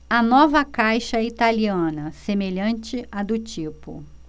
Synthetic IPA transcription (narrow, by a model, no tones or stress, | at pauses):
ɐnɔvɐkajʃɐit̪aliɐ̃nɐsemeʎɐ̃nt͡ʃɪɐd̪ʊt͡ʃipʊ̰